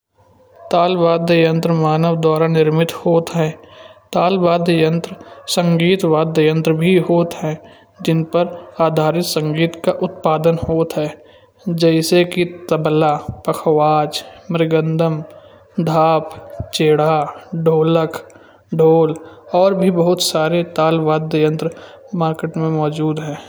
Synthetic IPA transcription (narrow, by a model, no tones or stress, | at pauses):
t̪aːlʋaːd̪ʱjəjə̃nt̪ɾəmaːnəʋd̪ɔːɾanɪɾmɪt̪hoːt̪ɦɛ̃ːt̪aːlʋaːd̪jəjə̃nt̪ɾəsə̃ŋɡiːt̪ʋaːd̪ʱəjə̃nt̪ɾəbʱiɦoːt̪ɦɛ̃ː | d͡ʒɪnpəɾaːd̪ʱaːɾɪt̪sə̃ŋɡiːt̪kaʔʊt̪paːd̪ənhoːt̪ɦɛː | d͡ʒɛːɪsekit̪əblapəkʰʋaːd͡ʒmɪɾɪɡə̃nd̪əm | d̪ʱaːpt͡ʃeːɽaɖʱoːləkʰ | ɖʱoːlɔːɾbʱibəɦʊt̪saːɾet̪aːlʋaːd̪jəjə̃nt̪ɾ | maːɾkeːʈmẽmɔːd͡ʒuːd̪ɦɛ̃ː